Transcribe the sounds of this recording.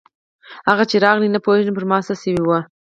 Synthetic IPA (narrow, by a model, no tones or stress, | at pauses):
haɣat͡ʃeɾɑɣlinapoeʒəp̬əɾmɑst̪asəwiwə